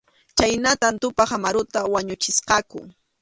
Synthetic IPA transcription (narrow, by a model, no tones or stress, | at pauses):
t͡ʃajnat̪ant̪ʊpaχamaɾʊt̪awaɲʊt͡ʃɪsqɑkʊ̰